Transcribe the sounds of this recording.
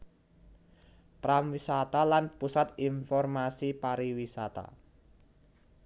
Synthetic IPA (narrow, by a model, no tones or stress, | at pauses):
pɾamwisat̪alanpusat̪infɔrmasipaɾiwisat̪a̰